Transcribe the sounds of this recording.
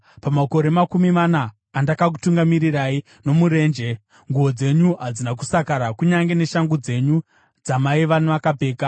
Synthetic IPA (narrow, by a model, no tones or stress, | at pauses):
pamako̞ɾe̞makumimanaː | ndakak̬u̥tuŋɡamiɾirai | no̞muɾe̞ːnd͡ʒe̞ | ŋɡuo̞d͡ze̞ɲuɦad͡zinak̬u̥sakaɾakuɲaŋɡe̞ne̞ʃaŋɡud͡ze̞ɲu | d͡zamaiʋanʋakabʱe̞ːka